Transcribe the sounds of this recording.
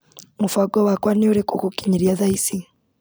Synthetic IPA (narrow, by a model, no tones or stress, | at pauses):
mufaɡowakwaniuɾekokukiɲiɾjaðaisi